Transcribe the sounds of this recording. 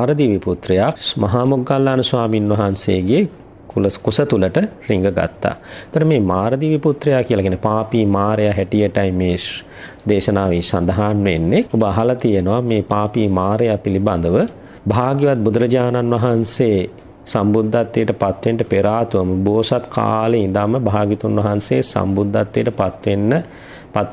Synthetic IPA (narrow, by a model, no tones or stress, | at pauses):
aːɾəd̪iʋiput̪ɾɐjamɐɦaːmuɡːalːaːnusʋaːminʋɐɦanseːɡe | kulkusət̪uləʈəriŋɡəɡa̰t̪ːa̰ːet̪oɽɖəmeːmaːɾəd̪iːʋiput̪ɾɐjakijəlakiæːnepaːpiːmaːɾejaɦæʈijəʈajmeː | d̪eːʃɐnaːʋisa̰nd̪ɐɦaːnʋenːekobəaɦɐlɐt̪ijenoʋameːpaːpiːmaːɾejapiliband̪əʋə | bʱaːɡiʋat̪̚bud̪ɾɐd͡ʒaːnanʋɐɦanseː | sambud̪ʱːat̪ːejːʈəpat̪ʋeɳʈəpeɾaːt̪uʋəməboːsat̪kʰa̰ːleind̪aːməbʱaːɡit̪unʋɐɦanseːsa̰mbud̪ʱːat̪ːejːʈəpat̪ʋenːə | pat̪